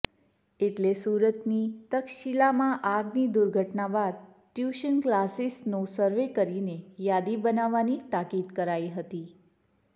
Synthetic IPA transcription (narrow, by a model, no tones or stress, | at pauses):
eʈlesuɾət̪nit̪əkʃilamãʔaɡnid̪uɾɡʱəʈnaʋad̪̚ | ʈjuʃənklasisnosəɾʋekəɾinejad̪ibənaʋanit̪akid̪kəɾaiɦət̪i